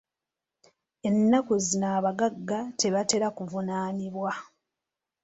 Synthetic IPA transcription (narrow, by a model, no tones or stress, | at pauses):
e̞nːakozinaːβaɡaɡːate̞βate̞ɾakuvunaːniβwa